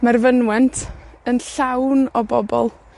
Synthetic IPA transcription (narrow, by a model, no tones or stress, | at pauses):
marvənwɛntʰənɬawnɔbɔbɔlˠ